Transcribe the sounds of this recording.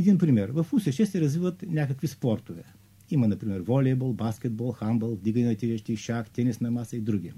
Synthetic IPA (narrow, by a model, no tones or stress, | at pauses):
ɛd̪inpɾimɛɾvɐfusɛʃɛsɛɾɐzvivɐt̪nʲakəkvispɔɾt̪ovɛ | imɐnɐpɾimɛɾvɔlʲɛbɔlˠbaskʲɛd̪̚bɔlˠxambəlˠvd̪iɡɐnɛnɐt̪ʲiɾɛʃt̪iʃakt̪ɛnɛsnɐmasɐid̪ɾuɡʲi